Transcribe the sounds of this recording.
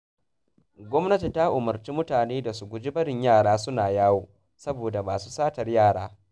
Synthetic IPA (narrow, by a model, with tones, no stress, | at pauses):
ɡʷɔ˦mnɐ˦ti˨ta˦ʔʊ˨mɐ˨rt͡ʃiː˦mʊ˦taː˨neː˦da˨su˨ɡʷʊ˨d͡ʒi˦bɐ˦ɽɪ˨ɲjaː˦˨ɽaː˦sʊ˦naː˨jaː˦woː˦˨ | sɐ˦boː˨da˨maː˨su̥ː˦saː˦tɐ˨rjaː˦˨ɽaː˦